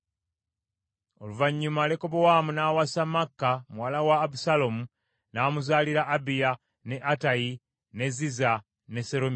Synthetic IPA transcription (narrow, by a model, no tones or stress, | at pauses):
oluvaɲːumale̞ko̞bowamunaːwasamakːamuwalawaːbusalomu | naːmuzaːliɾaʔːbija | ne̞ʔataji | ne̞ziza | ne̞seɾom